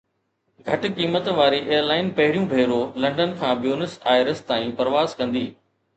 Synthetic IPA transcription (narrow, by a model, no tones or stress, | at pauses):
ɡʱɐʈ̆kiːmət̪ʋaːɾiʔeːəɾlaːɪnpɐɦɪɽijũbʱeːɾolɐ̃ɳɖənkʰãːbjoːnɪsaːɪɾɪst̪aːĩpɐɾʋaːzkɐ̃nd̪iː